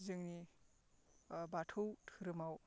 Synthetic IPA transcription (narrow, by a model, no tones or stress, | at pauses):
zɯŋni | batʰowtʰɯɾɯmaw